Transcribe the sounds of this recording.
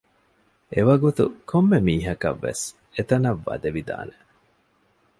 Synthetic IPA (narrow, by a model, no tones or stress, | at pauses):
ʔeʋɐɡut̪ṵkʰomːemiːɦɐkɐ̰ʋːḛs | et̪ɐnɐʋːɐ̰d̪eʋid̪a̰ːne